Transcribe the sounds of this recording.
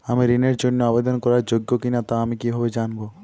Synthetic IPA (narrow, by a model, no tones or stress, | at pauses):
amiɾineɾd͡ʒonːoabed̪onkɔɾaɾd͡ʒoɡːokinat̪aamikibɦɔbed͡ʒanbo